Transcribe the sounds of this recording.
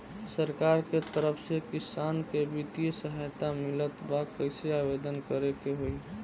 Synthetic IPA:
səɾkaɾket̪əɾəpʰsekɪsankebit̪isəɦajt̪amɪlət̪bakːəɪseabed̪ənkəɾekeɦoi

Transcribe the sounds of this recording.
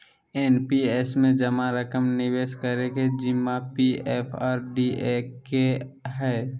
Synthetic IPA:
eːnpieːsmẽd͡ʒəmaɾəkəmnɪʋeːʃkəɾeked͡ʒɪmːapieːpʰaːɾɖiekeɦɛː

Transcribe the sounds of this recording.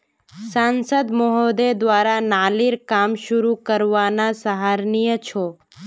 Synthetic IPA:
saːnsəd̪mɔɦod̪ed̪ʋaːɾanaːliɾkaːmʃʊɾukəɾʋanasəɦaːɾnijət͡ʃʰoː

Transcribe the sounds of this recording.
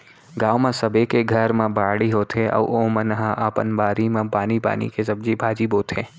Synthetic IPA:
ɡaːwmẽsɐbekeɡʱɐɾmẽbʱaːɽiɦoːt̪eʔɐ̰ʋʔoːmɐ̃nɐɦãʔaːpənbaːɾimẽpaːnipa̰ːnḭkesɐb̚d͡ʒibʱaːd͡ʒibɦoːt̪ʰẽː

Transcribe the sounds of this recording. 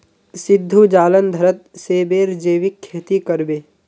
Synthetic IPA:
sɪd̪ʱːud͡ʒaːlənd̪ʱəɾət̪̚seːbeːɾd͡ʒeːʋɪkʰːeːt̪ikəɾbeː

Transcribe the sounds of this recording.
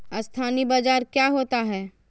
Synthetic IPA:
ɐst̪ʰaːnibad͡ʒaːɾkjaːɦoːt̪aɦɛː

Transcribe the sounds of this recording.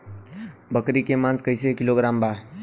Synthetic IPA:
bəkɾikemãnskəɪsekɪloɡɾaːmba

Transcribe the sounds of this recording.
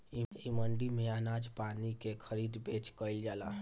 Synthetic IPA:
iiməɳɖimeanad͡ʒpanikekʰəɾid̪bet͡ʃkəɪld͡ʒala̰

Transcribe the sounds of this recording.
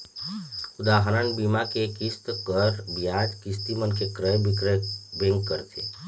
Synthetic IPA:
ʊd̪aːɦəɾanbiːmakekɪst̪kəɾbijaːd͡ʒkɪst̪imənkekɾəj | bẽŋɡkəɾt̪ʰḛ

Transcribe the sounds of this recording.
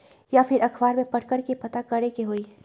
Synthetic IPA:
japʰɪɾʔɐkʰbaːɾmẽpɐɽkəɾkepɐt̪akɐɾekeɦoiː

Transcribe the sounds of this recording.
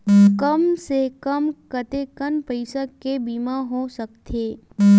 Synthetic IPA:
kəmsekəmkət̪ekənpəɪsakebiːmaɦosəkt̪ʰeː

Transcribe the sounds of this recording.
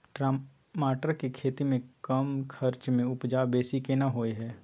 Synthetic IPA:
ʈɾa | maːʈəɾkekʰeːt̪imẽkəmkʰəɾt͡ʃmẽʊpd͡ʒaːbeːsikenaɦoːeɦɛː

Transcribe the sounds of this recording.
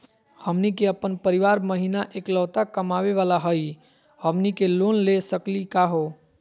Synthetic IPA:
həmnikeəpənpəɾiʋaɾməɦinaʔekləːt̪akəmaʋeʋalaɦəj | həmnikelonlesəklikaɦo

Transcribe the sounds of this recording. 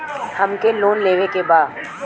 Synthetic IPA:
hɐmkeloːnleːʋekebaːd̪

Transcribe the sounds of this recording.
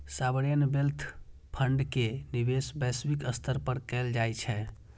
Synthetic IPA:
sabəɾjənbelt̪ʰ | pʰəɳɖkenibesbɛsbikəst̪ʰəɾpəɾkɛld͡ʒajt͡ʃʰɛ

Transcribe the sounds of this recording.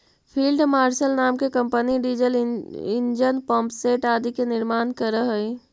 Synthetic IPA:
pʰiːlɖmaːɾʃəlnaːmkekə̃mpəniɖiːd͡ʒəlɪ̰nd͡ʒənpɔ̃ːmpseːʈaːd̪ikenɪɾmaːnkəɾəɦəi

